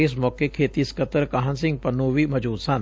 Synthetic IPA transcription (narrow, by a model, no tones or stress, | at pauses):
ɪs̬mɔːkekʰeːt̪iskət̪əɾkaɦənsɪ̃ŋɡ̚pɐnoːʋimɐd͡ʒuːd̪sɐn